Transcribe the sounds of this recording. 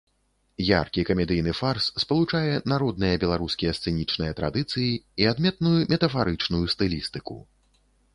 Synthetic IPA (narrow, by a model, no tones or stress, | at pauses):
ja̰rkʲikɐmʲɛd̪ɨjnɨfarsːpɐlˠut͡ʂajɛnaɾɔd̪̚nɨjɐbʲɛlˠaɾuskʲijɛst̪sɛnʲit͡ʂnɨjɐt̪ɾa̰d̪ɨt̪sɨjiiad̪mʲɛt̪nujumʲɛt̪ɐfaɾɨt͡ʂnujust̪ɨlʲist̪ɨkṵ